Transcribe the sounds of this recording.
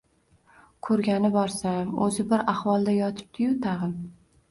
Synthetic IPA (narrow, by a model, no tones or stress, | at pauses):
kʰɵɾɡʲanɪbɒɾsamɵ̰zɪbɪɾahwɒlˠd̪ajɒt̪ʰɪ̥p̚t̪ʰɪjʊt̪ʰɑʁɨm